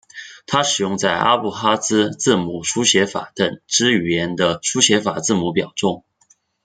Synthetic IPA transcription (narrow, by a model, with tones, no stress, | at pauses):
t̪ʰa˥ʂɻ̩˨˩jʊ˥˧ŋt͡sa˥˩ɪʔa̰˥pu˥˩xa˥sɹ̩˥t͡sɹ̩˥˩mu˨˩ʂu˥ɕjɛ˧˥fa̰˨˩˦t̪ə˨˩ŋʈ͡ʂɻ̩˥y˨˩jɛ˧˥nd̪ə˧ʂu˥ɕjɛ˧˥fa˨˩t͡sɹ̩˥˩mu˧˥p̬jɑ˨˩ʊʈ͡ʂʊ˥˩ŋ